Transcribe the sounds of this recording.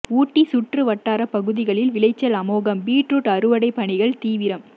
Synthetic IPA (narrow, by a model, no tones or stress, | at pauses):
uːʈːisʊʈrɯʋɐʈːaːɾɐpɐɣɯðɪɣɐɭɪlʋɪlɐɪt͡ʃːɐlɐmoːɣɐmbiːʈruʈːɐɾɯʋɐɽɐɪpːɐɳɪɣɐɭt̪iːʋɪɾɐm